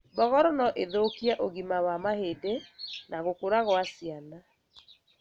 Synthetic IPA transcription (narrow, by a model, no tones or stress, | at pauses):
bɔɣɔɾɔnɔʔeðoːkiaʔoɣimawamahedenaɣokoɾaɣwasiana